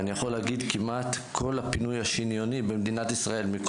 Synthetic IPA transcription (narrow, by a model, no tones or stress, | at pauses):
nijaχo̞leaɡid̪kimat̪kʰo̞lapinujaʃinjo̞nibemd̪inat̪isʁae̞lmik